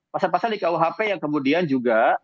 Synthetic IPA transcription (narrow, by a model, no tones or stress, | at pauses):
pasalpasaldikauɦapejaŋkəmudiand͡ʒuɡa